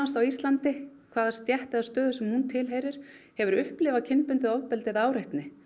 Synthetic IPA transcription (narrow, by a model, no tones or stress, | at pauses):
ast̪awist̪lant̪ɪ | kʰvaːðḁst̪jɛht̪ɛðast̪œːðʏsɛmhunt̪ʰɪlɦejɾɪɾ̥ | hɛvʏɾʏhplɪvacʰɪnpʏnt̪ɪðɔvpɛlt̪ɪðaːwɾɪht̪nɪ